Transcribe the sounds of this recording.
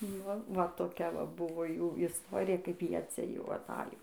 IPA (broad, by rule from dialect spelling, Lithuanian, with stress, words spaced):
ˈnʊ ʋɐ toːˈkʲɛ ˈʋɐ ˈbʊʋoː ˈjuː ɪsˈtoːrʲɪjɛ kɐɪp ˈjiɛ ˈt͡sʲɛ jɛʊ ɐˈtɑːjoː